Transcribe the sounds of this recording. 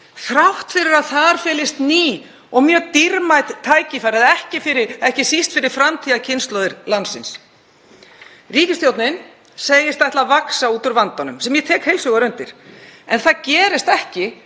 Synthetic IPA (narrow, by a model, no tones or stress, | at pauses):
θɾawht̪fɪɾɪɾaðθaɾ̥fɛːlɪst̪niː | ɔɣmjœːt̪iɾmajðt̪ʰːaːjcɪfajɾaðɛhcɪfɪɾɪɾɛhcɪsist̪fɪɾɪɾ̥fɾamt̪ʰiːðacʰɪnst̪lɔðɪɾlansɪns | riːcɪst̪jowt̪nɪɪn | seːjɪst̪ajht̪lavaksauːt̪ʏɾvant̪anʏmsɛmjɛt̪ʰɛːkhejlsʏɣaɾʏnt̪ɪɾ̥ɛnθaðcɛːɾɪst̪ɛhcɪ